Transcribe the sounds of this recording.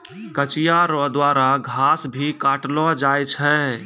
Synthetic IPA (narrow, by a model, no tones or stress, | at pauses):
kət͡ʃijaɾɔd̪waːɾaɡʱaːsbʱikaʈlɔd͡ʒajt͡ʃʰɛ